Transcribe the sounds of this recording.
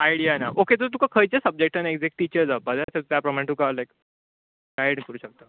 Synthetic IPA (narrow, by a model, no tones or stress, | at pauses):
ajɽijanaʔoket̪ət̪ũkakʰəjt͡ɕasəb̚d͡ʑek̚ʈãneɡd͡ʑek̚ʈit͡ɕəɾd͡zabad͡zat̪əut̪japɾomãʈukalajk | ɡajɽkəɾuːɕək̚t̪a